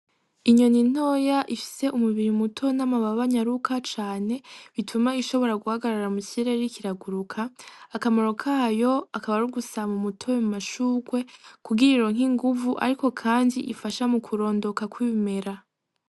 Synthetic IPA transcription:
iɲo̞nin̥o̞ːjaʔifi̥se̞ʔumuβiɾimutʰo̞namaβaβaɲaɾukʰat͡ʃaːne̞βitʰumaiʃo̞βo̞ɾaɡuhaɡaɾaɾamuciɾeɾikiɾaɡuɾukʰaːkamoɾo̞kʰajo̞akaβaɾuɡusamumutʰowemumaʃuːɡwe̞kuɡiɾiɾoŋɦiŋɡuvuʔa̰ɾiko̞kʰaːndiʔifaʃamukʰuɾo̞ːndo̞kakwiːme̞ɾa

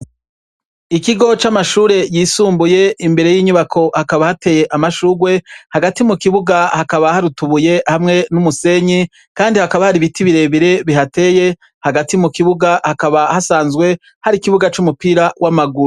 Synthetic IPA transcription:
ikiɡo̞t͡ʃamaʃuːɾe̞jiːsuːmbuje̞imbe̞ɾe̞jiːɲuβakʰo̞hakaβahate̞ːje̞ʔamaʃuːɡwe̞haɡatimukiβuɡahakaβahaɾutuβuje̞hamŋe̞numuse̞ɲi | kaːndihakaβahaɾiβitiβiɾe̞βiɾe̞βiɦate̞ːje | haɡatimukiβuɡahakaβahasaːnzɡwe̞ | haɾikiβuɡat͡ʃumupiːɾawʔamaɡuɾ

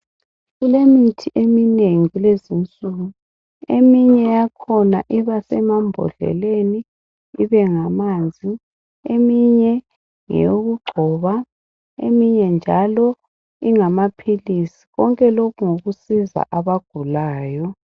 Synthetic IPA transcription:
ɣulemitʰiʔemineŋilezint͡sʼuɣu | emiɲɛjakʰɔnaʔiβasɛmambʱɔ̰ɮɛ̰leniː | βɛŋamand͡zʱi | emiɲɛ | ŋɛ̰joɣuɡ͡ǃʱɔβa | ḛmiɲɛnd͡ʒʱalɔ | iŋamapʰilisi̥ɣɔŋkʼɛlokuŋoɣusiza̰ʔaβaɡ̥ʱulaːjɔ

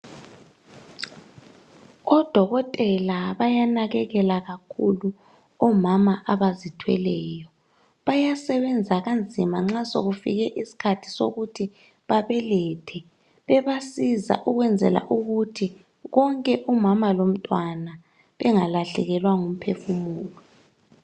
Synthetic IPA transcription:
ɣɔd̥ʱɔɣɔtʼɛlaβajanaɣɛɣɛlaɣakʰulu | ɔmamaʔaβazitʰwɛlɛːjɔ | βajasɛβɛnd͡zʱaɣand͡zʱimaŋ͡ǁaso̰ɣufḭɣɛʔisi̥kʰatʰi̥so̰ɣutʰi | βaβɛlɛtʰɛ | βɛβasiza̰ʔuɣwɛnd͡zʱɛ̰la̰ʔuɣutʰi | ɣɔŋkʼɛʔumamalom̩tʼwana | βɛŋalaɬɛɣɛlwaŋum̩pʰefumuːlɔ

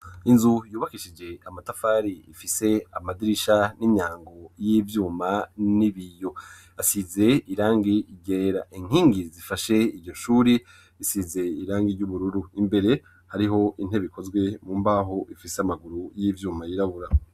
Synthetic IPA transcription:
inzujuːβakiʃid͡ʒe̞amatafaːɾiḭfise̞amadiɾiʃaniɲaːŋɡo̞jivjuːmaniβijo̞ | asize̞iɾaːŋɡiɟeːɾa̰ʔiŋ̥hiːŋɡizifaʃe̞iɾɟo̞ʃuːɾi | isize̞iɾaːŋɡiɟuβuɾuɾuimbe̞ɾe̞ | haɾiɦo̞ʔin̥e̞βiko̞zɡwe̞muːmbaːɦo̞ʔifiseamaɡuɾujiːvjuːmajiɾaβuɾa

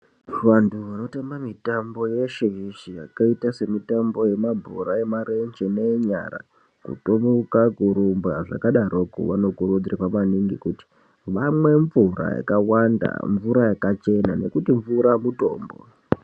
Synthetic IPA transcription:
ʋantʰuʋano̞tambamitambo̞je̞ʃeɦiʃijakaitase̞mitambo̞je̞mabʱuɾaemaɾend͡ʒeneɲa̰ɾa̰ | kṵtomukakuɾumbaʐa̰kaɗaɾokṵʋano̞kuɾud͡zirapamaniŋɡikuti̥ | ʋamwe̞ɱvura̰ja̰kawanda̰ɱvuɾajakat͡ʃe̞na̰ne̞̰kutiɱvuɾamuto̞̰ːmbo̰

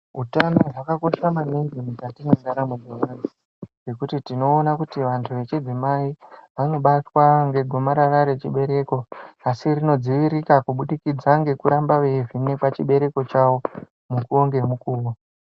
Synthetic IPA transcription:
ɦutanoʐakako̞ʃamaneŋɡimutatimwe̞ndaɾamud͡zeʋanu | ʐe̞kutitino̞ːnakutiʋantʰuʋe̞t͡ʃid͡zimaiʋano̞ɓatwaŋɡe̞ɡʱo̞maɾaɾaɾe̞t͡ʃiɓe̞ɾe̞ko̞asirino̞d͡ziʋiɾikakuɓuɗikid͡zaŋɡe̞kuɾambaʋe̞vine̞kat͡ʃiɓe̞ɾe̞ko̞t͡ʃawo̞ | mukuoŋɡe̞mukuːwo

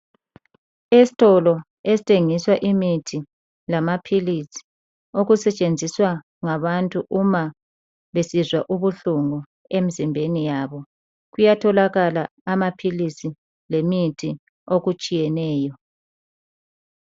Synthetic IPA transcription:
esi̥tʼɔlɔ | esi̥tʰʼeŋiswaʔimitʰi | lamapʰilisi̥ | oɣusɛt͡ʃʼend͡zʱiswa | ŋaβantʼuʔuma | βesizwaʔuβuɬuŋɔ | emizimbʱenijaːβɔ | ɣujatʰɔlaɣala | amapʰilisi | lemitʰi | oɣut͡ʃʼijɛnɛːjɔ

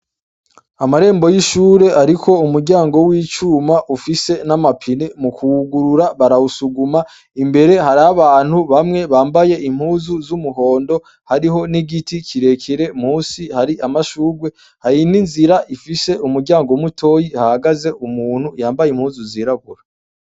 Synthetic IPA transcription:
amaɾe̞ːmbo̞jiʃuːɾe̞ʔaɾikʰo̞umuɾɟaːŋɡo̞wiːt͡ʃuːmaʔufise̞namapʰinemukʰuɡuɾuɾaβaɾausuɡuma | imbe̞ɾe̞haɾaβaːn̥huβamŋe̞βaːmbaje̞ʔim̥huːzuzumuɦo̞ːndo̞ | haɾiɦo̞niɡiticʰiɾe̞kʰiɾe̞m̥huːsihaɾiʔamaʃuːɾɡwe̞ | hajininziɾaʔifise̞umuɾɟaːŋɡomutʰo̞jihahaɡaze̞ʔumuːn̥ujaːmbajim̥huːzuziɾaɡuɾa

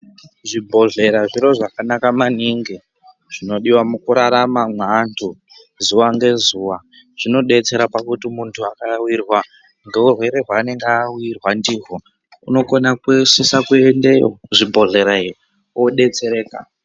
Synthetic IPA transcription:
ʐibʱo̞ɮe̞ɾaʐiɾo̞ʐakanakamaniŋɡe | ʐ̥ino̞ɗiwamukuɾaɾamamwandʰu | zuwaŋɡe̞zuwa | ʐ̥ino̞ɗe̞t͡se̞ɾapakutimuntʰuakawirwa | ŋɡe̞urwe̞ɾe̞ɦwane̞ŋɡawirwandiːɦo | ṵno̞konakusesakuendejo̰ʐibʱo̞ɮe̞ɾair | woɗe̞t͡se̞ɾe̞ːka

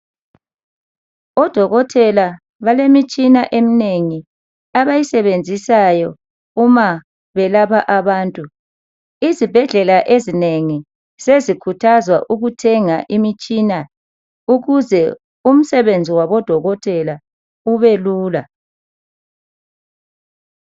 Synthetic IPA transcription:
ɔd̥ʱɔɣɔtʰʼɛla | βalemit͡ʃʼinaʔemineŋi | aβajisɛβend͡zʱisajɔ | uma | βɛlapʰaʔaβaːntʼu | izib̥ʱɛɮɛlaʔezineŋi | sezikʰutʰazwa̰ʔuɣutʰɛŋaʔimit͡ʃʼina | uɣuzɛ | um̩sɛβend͡zʱiwaβɔd̥ʱɔɣɔtʰʼɛla | uβeluːla̰

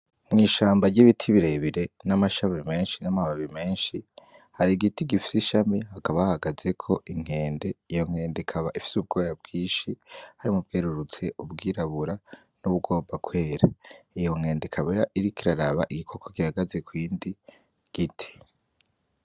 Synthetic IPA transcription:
mŋiːʃaːmbaɾɟiβitʰiβiɾeβiɾe̞namaʃaβime̞ːnʃinamaβaβime̞ːnʃi | haɾiɡitiɡifi̥siʃamihakaβahhaɡaze̞kʰo̞ʔiŋ̥e̞ːnde̞ijo̞ŋ̥e̞ːndikʰaβaʔifi̥sub̚ɡo̞ːjab̚ɡiːnʃihaɾimub̚ɡeːɾuɾut͡se̞ubɡiːɾaβuɾa | nuβuɡo̞ːbakwe̞ːɾaijo̞ŋ̥e̞ːndekʰaβeɾaʔiɾikiɾaɾaβa̰ʔiɡikʰo̞kʰokihaɡaze̞kwiːndi | ɡ̥itʰi̥

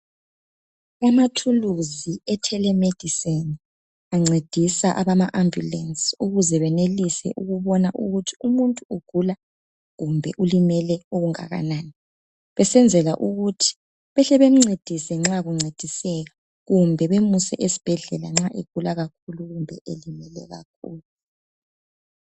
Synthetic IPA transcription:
amatʰuluziɛtʰɛlɛmed̥ʱiseni | aŋ͡ǀed̥ʱisaʔaβamaʔambjṵlɛnsuɣuzɛβɛnelisɛ̰ʔuɣuβɔnaʔuɣutʰi̥umuntʼuuɡ̥ʱula | ɣumbʱɛ̰ʔulimɛlɛoɣuŋa̰ɣa̰naːni | βɛsɛnd͡zʱɛla̰ʔuɣutʰi̥ | βɛɬɛβem̩ŋ͡ǀed̥ʱisɛŋ͡ǁaɣuŋ͡ǀed̥ʱisɛɣa | ɣumbʱɛβemusɛʔesi̥b̥ʱɛɮɛlaŋ͡ǁaʔeɡ̥ʱulaɣak̚ʰuluɣumbʱɛ̰ʔelimɛlɛ̰ɣa̰k̚ʰuːlu

